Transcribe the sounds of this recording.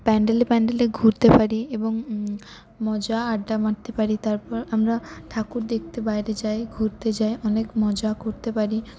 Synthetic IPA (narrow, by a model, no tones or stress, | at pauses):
pɛɳɖelepɛɳɖeleɡʱuɾt̪epaɾieboŋ | mɔd͡ʑaaɖːamaʈ̚t̪epaɾit̪aɾpɔɾamɾaʈʰakuɾd̪ek̚ʰt̪ebajɾed͡ʑaeɡʱuɾt̪ed͡ʑaeʔɔnekmɔd͡ʑakoɾt̪epaɾi